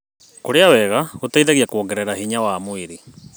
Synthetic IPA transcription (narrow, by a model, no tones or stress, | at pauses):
koɾeawɛɣaotaiðaɣiakwɔŋɡɛɾɛɾaɦiɲawamoiɾi